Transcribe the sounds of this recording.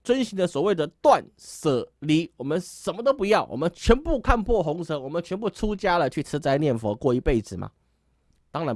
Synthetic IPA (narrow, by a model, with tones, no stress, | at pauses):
t͡swə˥nɕi˧˥ŋd̪ə˧swɔ˨˩we˥˩ɪd̪ə˩t̪wa˥˨nsɤ˨˩li˧˥wɔ˨˩mə˦nʂə˨˩nmə˦t̪o˥ʊpu˧˥jɑ˥˩ʊwʔɔ̰˨˩mə˦nt͡ɕʰɥɛ˧˥npu˥˧kʰa˥˧npʰwɔ˥˩xʊ˧˥ŋsʰɤ˧˥˦wɔ˨˩mə˦nt͡ɕʰɥɛ˧˥np̬u˥˩ʈ͡ʂʰu˥t͡ɕja˥lə˨t͡ɕʰy˥˩ʈ͡ʂʰɻ̩˥t͡sa˥ɪnjɛ˥˩nfɔ˧˥kwɔ˥˩i˧˥pe˥˩ɪd͡zɹ̩˨˩mɐ̰˩ | t̪ɑ˥ŋɻa˧˥n